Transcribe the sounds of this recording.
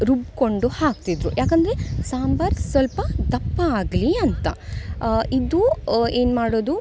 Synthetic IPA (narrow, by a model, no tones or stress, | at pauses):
ɾubko̞ɳɖuhaːk̚t̪id̪ɾujaːkɐnd̪ɐɾesaːmbɐɾɡsʋɐlpɐd̪ɐpːɐaːɡliɐnt̪ɐ | id̪ueːnmaːɽoːd̪u